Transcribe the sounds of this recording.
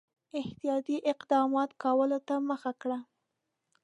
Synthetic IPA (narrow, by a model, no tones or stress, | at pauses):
ɪht̪ijɑt̪iʔɪqd̪ɑmɑt̪kɑwəlot̪aməxakɽa